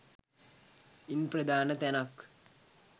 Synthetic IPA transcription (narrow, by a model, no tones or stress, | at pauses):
inprɐd̪aːnɐt̪ɐnak